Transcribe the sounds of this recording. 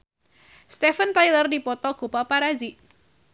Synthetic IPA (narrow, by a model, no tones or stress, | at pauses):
st̪ɛfənt̪ajlərdipɔt̪ɔɡ̥upapaɾaziʔ